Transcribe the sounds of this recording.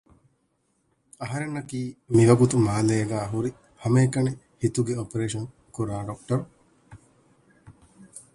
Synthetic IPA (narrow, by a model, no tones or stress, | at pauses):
ɐɦɐɾenːɐkiːmiʋɐɡut̪umaːleːɐɡæːɦuɾi | hɐmeːkɐne | hit̪uɡeopeɾeːʃɐŋ | kuɾaːɖok̚ʈɐɾu